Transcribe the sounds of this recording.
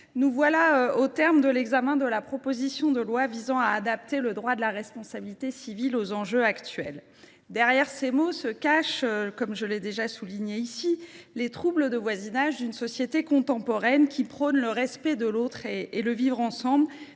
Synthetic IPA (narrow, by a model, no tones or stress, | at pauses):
nuvwalaøot̪ɛʁmd̪əlɛɡzamɛ̃d̪əlapχɔpozisjɔ̃d̪əlwavizɑ̃aːd̪ap̚t̪eləd̪ʁwad̪əlaʁɛspɔ̃sabilit̪esivilozɑ̃ʒøakt̪ɥɛ̰l | d̪ɛʁjɛʁsemosəkaʃkɔmʒəlɛd̪eʒasuliɲeisilet̪χubləd̪əvwazinaʒd̪ynsɔsjet̪ekɔ̃t̪ɑ̃pɔʁɛnkʲipχɔnləʁɛspɛd̪əlot̪χeeləvivʁɑ̃sɑ̃bl